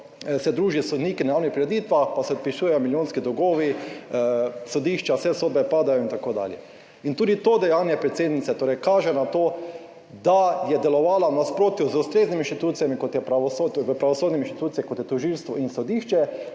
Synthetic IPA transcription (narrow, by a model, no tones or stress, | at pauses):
sɛd̪ɾuːʒisɔd̪niːkinajaːwnixpɾiɾɛd̪it̪ʋaxpasɛɔt̪piʃuːjɛjomiljoːnskid̪ɔɡoːʋi | sod̪iːʃt͡ʃasɛsoːd̪̚bɛpaːd̪ajoint̪akoːd̪a̰ːljɛ̰ | int̪uːd̪it̪od̪ɛjanjɛpɾɛt̪seːd̪nit̪sɛt̪oːɾɛjkaːʒɛnat̪oː | d̪ajɛd̪ɛlɔʋaːlawnaspɾoːt̪juzust̪ɾeːzniminʃt̪it̪uːt̪sijamikɔt̪jɛpɾaʋɔsoʋəpɾaʋɔsoːd̪nʲɛinʃt̪it̪uːt̪sijɛkot̪jɛt̪ɔʒilst̪ʋɔinsɔd̪iːʃt͡ʃɛ